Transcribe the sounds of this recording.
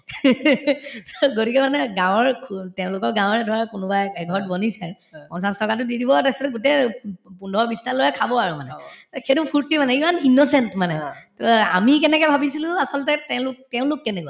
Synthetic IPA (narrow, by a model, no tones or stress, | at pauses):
tɔɡotikɛmanɛɡãw̃ɔɹkʰtɛʊ̃lʊkɔɹɡãw̃ɔɹɛdʱɔɹakʊnʊbaɛɡʱɔtbɔnisɛɹ | pɔ̃nsastɔkatʊdidʱibɔatasɔtɛɡutepundʱɔɹbistalɔjakʰabɔaɹumanɛxetupʰuɹtimanɛimaninɔsɛntmanɛtɔa̰mikɛnɛkɛbʱabisilʊ̃asɔlɔtɛtɛʊ̃lʊktɛʊ̃lʊkːɛnɛkɔa